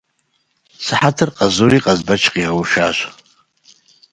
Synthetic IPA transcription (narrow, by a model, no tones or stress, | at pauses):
saħatʰɨrqʼazuɾiqʼazbat͡ʃʰqʲʼiawʃaʒʷ